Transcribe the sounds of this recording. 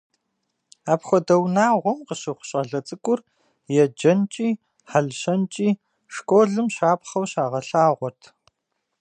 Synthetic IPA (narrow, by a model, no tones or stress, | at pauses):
aːpxʷɔdɐwnaːʁʷɔmqəɕɪχʷʊ̥ɕʼɐɮɐt͡sʼɨkʷʼʊr | jɛd͡ʒɐnt͡ʃʼiː | ħaɮɕɐnt͡ʃʼiː | ʂkʷʼoːɮɨmɕaːpχɐwɕaːʁɐɬaːʁʷɔrtʰ